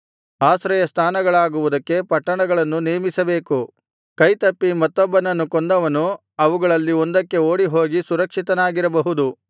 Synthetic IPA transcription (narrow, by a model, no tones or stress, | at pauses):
aːsɾɐjɐst̪ʰaːnɐɡɐɭaːɡuʋud̪ɐkːe̞pɐʈːɐɳɐɡɐɭɐnːuneːmisɐbe̞ːku | kɐjt̪ɐpːimɐt̪ːɔbːɐnɐnːukond̪ɐʋɐnu | ɐʋuɡɐɭɐlːiond̪ɐkːe̞oːɽiɦo̞ːɡisuɾɐkʂit̪ɐnaːɡiɾɐbɐɦud̪u